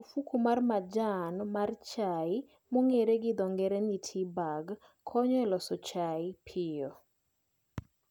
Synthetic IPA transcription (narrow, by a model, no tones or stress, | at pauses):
ofukumarmad͡ʒanmart͡ʃaɪ | moŋeɾeɡɪd̪ɔŋɡɛɾɛnitʰibaɡ | kʰːɔɲɔɛlɔsɔt͡ʃaɪpʰɪjɔ